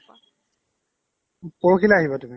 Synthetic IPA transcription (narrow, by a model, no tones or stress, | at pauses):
pɔɹukʰilaaɦiβɔtumi